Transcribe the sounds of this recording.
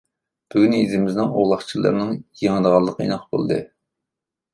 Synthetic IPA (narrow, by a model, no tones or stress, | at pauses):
b̥yɡʲynizɪmɪznɨŋoʁlˠɑχt͡ʃʰilˠɨ̰ɾnɨŋjeŋɨd̪əʁɑlˠːəqʰəḭnɑqbo̰lˠɨd̪ɨ̰